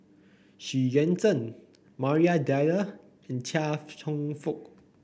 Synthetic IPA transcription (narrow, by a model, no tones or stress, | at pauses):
ʃiɹɛ̃ntə̃n | maɹiadalə | ɛ̃ntʰaftʰɔ̃ŋfuk̚